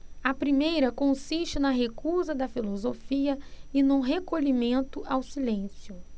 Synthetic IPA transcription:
ɐpɾimejɾɐkõsiʃt͡ʃɪnɐɦekuzɐd̪ɐfilozofiɐɪnʊ̃ɦekoʎimẽnt̪ʊʔawsilẽsjʊ

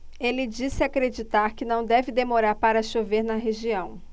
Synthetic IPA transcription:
elɪd͡ʒisɪakɾed͡ʒit̪aɾkɪnɐ̃w̃d̪ɛvɪd̪emoɾaɾpaɾɐʃoveɾnɐɦeʒiɐ̃w̃

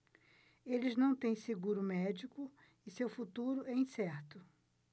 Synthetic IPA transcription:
elɪznɐ̃w̃t̪ẽj̃seɡuɾʊmɛd͡ʒikʊ | ɪsewfut̪uɾʊɛĩsɛɾt̪ʊ

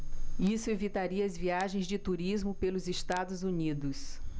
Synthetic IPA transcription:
isʊevit̪aɾiɐɐzviaʒẽj̃zd͡ʒɪt̪uɾizmʊpelʊzest̪ad̪ʊzunid̪ʊs

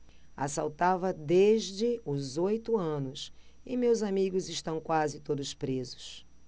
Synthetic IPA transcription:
a̰sawt̪avɐd̪eʒd͡ʒɪʊzojt̪ʊɐ̃nʊsɪmewzamiɡʊzɪʃt̪ɐ̃w̃kwazɪt̪od̪ʊspɾezʊ̥s

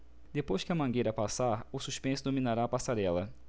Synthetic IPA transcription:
d̪epojskɪɐmɐ̃ɡejɾɐpasaɾʊsuʃpẽsʊd̪omĩnaɾaːpasaɾɛlɐ

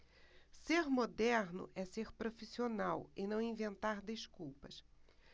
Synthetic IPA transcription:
seɾmod̪ɛɾnʊ̰ʔɛseɾpɾofisionawɪnɐ̃w̃ĩvẽnt̪aɾd̪eskuwpɐs

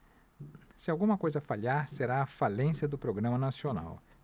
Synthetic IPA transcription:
sɪawɡũmɐkojzɐfaliaɾseɾaɐfalẽsiɐd̪ʊpɾoɡɾɐ̃mɐnasiona̰w

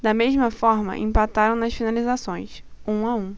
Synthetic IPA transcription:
d̪ɐmeʒmɐfɔɾmɐ̰ʔḭ̃mpat̪aɾɐ̃w̃nɐsfinalizasõj̃sũaũ

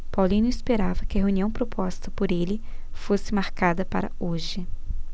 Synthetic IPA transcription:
pawlĩnʊispeɾavɐkɪɐɦeũniɐ̃w̃pɾopʰɔst̪ɐpoɾelɪfosɪmaɾkad̪ɐpa̰ɾɐ̰oʒɪ

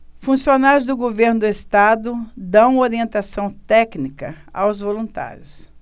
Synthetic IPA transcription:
fũsionajʊzd̪ʊɡoveɾnʊd̪ʊest̪ad̪ʊd̪ɐ̃w̃oɾiẽnt̪asɐ̃w̃t̪ɛknikɐa̰wzvolũnt̪a̰ɾjʊs

